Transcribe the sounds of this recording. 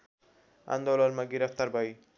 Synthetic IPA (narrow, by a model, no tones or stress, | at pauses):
a̰nd̪ɔlalmaɡiɾaft̪aɾbaj